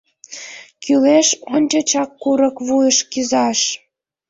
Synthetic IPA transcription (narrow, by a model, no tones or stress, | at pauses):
kyleʃonʲt͡ɕot͡ɕɑkːuɾə̆kβujəʃkyzɑʃ